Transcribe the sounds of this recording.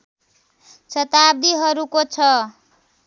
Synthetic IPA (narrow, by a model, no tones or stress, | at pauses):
t͡sʌt̪ab̚d̪iɦʌɾukot͡sʰʌ